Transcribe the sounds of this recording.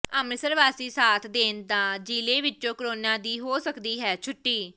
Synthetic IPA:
əmɪsəɾʋaːsiːsaːt̪ʰd̪eːnd̪aːd͡ʒiːleːʋɪt͡ʃõːkɾoːnãːd̪iːɦoːsəkd̪iːɦɛːt͡ʃʰʊʈːiː

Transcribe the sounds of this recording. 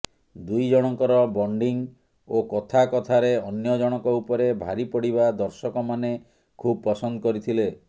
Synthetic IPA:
d̪ujd͡ʒɔɽ̃ɔŋkɔɾɔbɔɳɖiŋ | okɔt̪ʰakɔt̪ʰaɾeɔnjɔd͡ʒɔɽ̃ɔŋkɔupɔɾebʱaɾipɔɽiβad̪ɔɾsɔkɔmane | kʰub̚pɔsɔnd̪ɔkɔɾit̪ʰile

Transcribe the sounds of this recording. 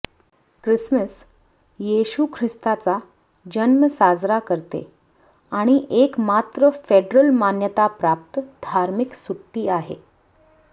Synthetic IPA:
kɾisməs | jeɕukʰɾist̪at͡sa | d͡ʑənməsad͡zɾakəɾt̪ḛ | aɽ̃iʔekmat̪ɾəfeɖɾəlmanjət̪apɾap̚t̪d̪ʱaɾmiksuʈːiːaɦḛ

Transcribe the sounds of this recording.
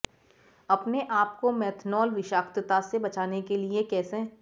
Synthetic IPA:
ɐpneʔaːp̚komɛːt̪ʰnɔːlʋɪʃaːkt̪ət̪asebɐt͡ʃaːnekeliekɛːse

